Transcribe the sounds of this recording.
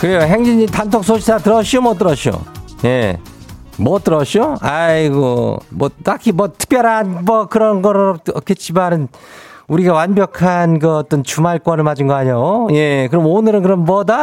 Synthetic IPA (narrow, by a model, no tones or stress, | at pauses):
kɯɾe̞joɦe̞ŋd͡ʑiɲitantʰok̚s͈ʰoɕʰidatɯɾʌɕʰiomwʌt͈ɯɾʌɕʰio̰je̞ | mwʌt͈ɯɾʌɕʰoa̰iɡʌ̰mwʌt͈akʰimʌtʰɯ̥k̚p͈jʌɾɦanmʌkɯɾʌnɡʌɾʌkʰe̞t͡ɕ͈imanɯn | uɾiɡawanbjʌkʰanɡɯʌt͈ʌnt͡ɕumaɭkwʌnɯɭmad͡ʑɯnɡʌaɲoje̞kɯɾʌmonɯɾɯnkɯɾʌmmʌda